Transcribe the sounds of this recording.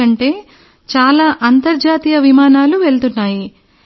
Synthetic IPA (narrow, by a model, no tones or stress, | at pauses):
ɐɳʈe̞ː | t͡ʃaːlaːʔɐnt̪ɐɾd͡ʒaːt̪ijɐʋimaːnaːluʋe̞ɭt̪unːaːji